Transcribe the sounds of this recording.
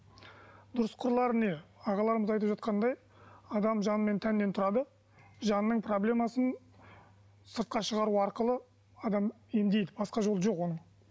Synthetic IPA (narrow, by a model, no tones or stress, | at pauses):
d̪ʊɾəsqʰʊɾlˠɑɾəne̞ɑʁɑlˠɑɾəməzɑjt̪əpʒɑt̪̚qɑnd̪ɑj | ɑd̪ɑmʒɑnəme̞nt̪ʰænɪːe̞nt̪ʰʊɾɑd̪ə | ʒɑnːəɴpro̞blʲe̞mɑsən | səɾt̪̚qɑʃəʁɑɾuɑɾqəlˠə | ɑd̪ɑm | e̞md̪e̞jd̪ɪbɑsqɑʒo̞lˠəʒo̞qwo̞nəɴ